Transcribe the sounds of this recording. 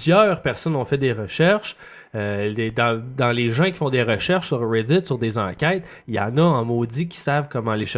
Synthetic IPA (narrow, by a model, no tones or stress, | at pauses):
zjœːʁpɛʁsɔnɔ̃fɛt̚d̪eʁəʃɛʁʃ | øled̪ɑ̃d̪ɑ̃leʒɑ̃kʲi̥fɔ̃d̪eʁəʃɛʁʃsyʁːed̪ɪt̪syʁd̪ezɑ̰̃kʲɛɪt̪ | ijɑ̰̃ːnʌɑ̃mod͡z̪ikʲi̥savkɔmɑ̃leʃ